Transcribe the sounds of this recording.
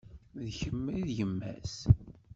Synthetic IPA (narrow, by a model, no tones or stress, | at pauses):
ðçəmːiðjəmːæ̰s